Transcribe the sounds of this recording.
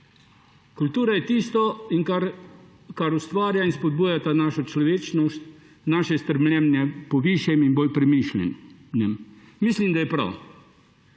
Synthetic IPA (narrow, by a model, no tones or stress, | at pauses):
kult̪uɾaɛt̪ist̪ɔinkaɾ | kaɾust̪vaɾjainspɔd̪̚bujat̪anaʃɔt͡ʃlɔʋɛt͡ʃnɔst̪ | naʃɛst̪əɾmlɛmnɛpɔviʃjɛminbɔlpɾɛmiʃlɛ̰nnɛmmislimd̪ajɛpɾa̰w